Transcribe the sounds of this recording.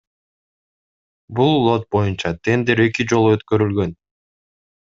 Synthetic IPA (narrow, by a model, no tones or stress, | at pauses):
bulˠːo̞t̪̚bo̞junt͡ʃɑt̪ʰe̞nd̪eɾe̞kid͡ʒo̞lˠuøt̪kø̞ɾylɡø̞n